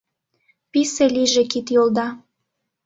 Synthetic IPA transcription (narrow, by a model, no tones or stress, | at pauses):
piseliʒĕkit̪jold̪ɑ